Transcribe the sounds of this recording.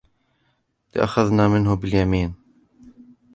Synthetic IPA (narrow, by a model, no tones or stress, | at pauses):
lɪʔa̰xaðnaːmɪnhʊbɪljamiːn